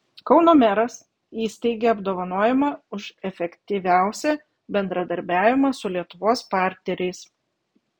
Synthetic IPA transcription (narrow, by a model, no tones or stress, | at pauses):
kɒʊnoːmʲæɾɐs | iːsʲt̪ʲɛɪɡʲeːɐbd̪oːʋɐnoːjɛmɑʊʃɛfʲɛkʲt̪ʲiːʋʲæˑʊsʲɛ | bʲɛnd̪ɾɐd̪ɐɾʲbʲæːʋʲɪmɑsʊlʲiɛt̪ʊʋoːspɑˑɾʲt̪ʲnʲɛɾʲɛɪs